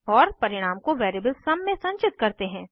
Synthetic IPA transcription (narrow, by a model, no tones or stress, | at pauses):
ɔːɾpɐɾɪɽ̃aːmkoʋeːɾeːbəlsɐmːẽsɐ̃ɲt͡ʃɪt̪kɐɾt̪eɦɛ̃ː